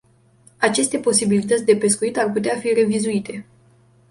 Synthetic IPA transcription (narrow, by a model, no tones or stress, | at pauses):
at͡ʃe̞st̪e̞po̞sibilit̪ət̪sʲd̪e̞pe̞skuit̪arput̪eafire̞vizuit̪e̞